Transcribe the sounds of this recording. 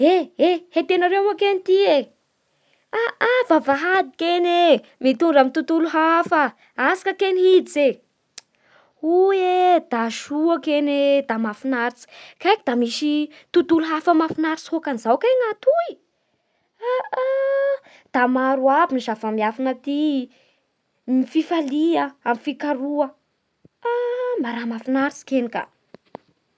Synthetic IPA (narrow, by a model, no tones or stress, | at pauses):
eehet̪enaɾemakenit̪ie | aavavaɦad̪ikene | mit̪unɖ͡ʐamint̪ut̪uluɦafə | asḁkəkeniɦid̪ize | ued̪̥aʃuakened̪amafinaɾit͡si̥kajkid̪amisit̪ut̪uluɦafəmafinaɾit͡shokanizawkeŋat̪ui | aa | d̪̥amaɾuabinizavamiafanat̪i | mififaliəamfikaɾuə | amaɾamafinaɾit͡si̥kenika̰